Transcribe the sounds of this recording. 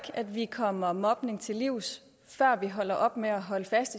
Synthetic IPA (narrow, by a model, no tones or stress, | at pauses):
ɡ̥æd̥ʋikʰɒ̽mɐmɒ̽b̥ne̝ŋt͡sʰe̝liʊ̰s | fɶɐ̰ʋiɦɒ̽l̰ɐʔɒ̽b̥meæɦɒ̽ləfæsd̥i